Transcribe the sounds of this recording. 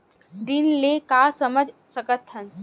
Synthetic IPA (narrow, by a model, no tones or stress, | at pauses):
ɖinlekaːsəməd͡ʒʱsəkət̪ɦən